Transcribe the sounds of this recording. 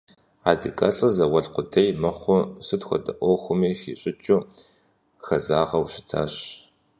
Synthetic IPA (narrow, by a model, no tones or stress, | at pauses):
aːdɨkʼɐɬʼɨzɐwɐɮqʷʊdʰejmɐχʷʊsɨtxʷɔ̰dɐ̰ʔʷoxʷʊmiːxḭːɕʼɪt͡ʃʼʊ | xɐzaːʁɐwɕɪ̥tʰa̰ːɕ